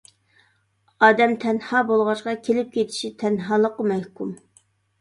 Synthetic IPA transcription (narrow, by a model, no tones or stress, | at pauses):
ɑːd̪ɛmt̪ʰɛnhɑːbolˠʁɑʃqɑkʲʰelɪp̚kʲʰet̪ʰɪ̥ʃit̪ʰɛnɦɑːlˠəqəmɛhkum